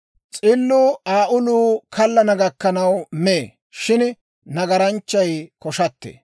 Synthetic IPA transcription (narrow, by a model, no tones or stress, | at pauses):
t͡sʼɪlːuːaːʔʊluːkʰɐlːɐnɐɡɐkːɐnɐwmeː | ʃɪn | nɐɡɐɾɐnt͡ʃːɐjkɔʃɐt̪ːḛ